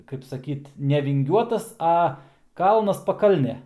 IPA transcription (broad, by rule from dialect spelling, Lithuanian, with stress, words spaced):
kɐɪp sɐˈkʲiːt nʲɛʋʲɪŋʲˈɡʲuɔtɐs ˈɐ ˈkɐlˠnɐs pɐˈkɐlʲnʲeː